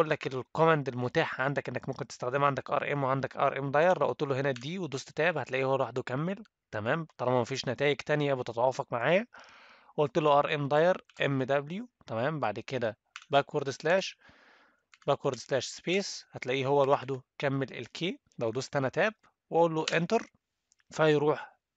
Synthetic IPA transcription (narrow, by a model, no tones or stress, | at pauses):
ʔolːækelkomænd̪elmot̪aːħʕand̪ækʔenːækmomkent̪e̥st̪æxd̪emʕand̪ækʔɑ̰ɾˤʔḛmweʕand̪ækʔɑ̰ɾˤʔḛmd̪ˤɑjɑɾˤlæʔolt̪eloɦenæd̪iːwed̪ost̪t̪æːbhæt̪læʔiːhowːælwaħd̪ukæmːel | t̪æmæːmt̪ˤɑlˤɑmæmæfiːʃnæt̪æːjeɡt̪ænjæbet̪et̪ʕɑːfɑkmaʕaːjæ | ʔolt̪eloʔɑɾˤʔemd̪ˤɑjɑɾˤʔemːd̪æbljut̪æmæːmbaʕd̪ked̪æ | bækwoɾˤd̪slæːʃ | bækwɑɾˤd̪slæːʃspeːshæt̪læʔiːɦowːælwaħd̪ukæmːelʔḛlkʰeː | læwd̪osˤt̪ːænæt̪æːb̚ | weʔolːoʔent̪eɾˤ | fæjɾuːħ